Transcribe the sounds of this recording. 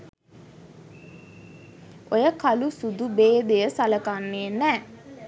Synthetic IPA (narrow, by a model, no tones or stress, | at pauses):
ojəkalusud̪ubeːd̪ejəsaləkanːeːnɛː